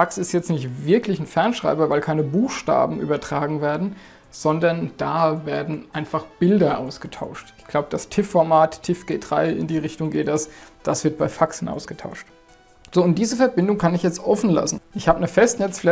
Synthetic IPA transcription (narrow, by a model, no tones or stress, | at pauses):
faksɪstjɛt͡stnɪçtv̥ɪɐklɪçn̩fɛɐnʃʁ̥a̰ɪbɐvaɪlkʰaɪnəbuːxʃta̰ːbm̩ʔy̰ːbɐtʁ̥aːɡŋ̩veːɐdn̩ | z̥ɔndɐnd̥aːveːɐdn̩ʔaɪnfaχb̥ɪldɐʔaʊsɡ̥ətʰa̰ʊʃtɪçɡ̥laʊbəd̥astʰɪfːɔɐmaːttʰːɪfɡ̥eːt̚d̥ʁa̰ɪɪ̰ndiːʁɪçtʊŋɡeːtd̥asd̥asv̥ɪɐt̚b̥aɪfakshn̩ʔa̰ʊsɡ̥ətʰaʊʃt | z̥oːʊnt̚d̥iːzəfɛɐbɪndʊŋkʰanɪçjɛt͡stʔɔfn̩la̰sn̩ʔɪçhaːbənəfɛstnɛt͡sflɛ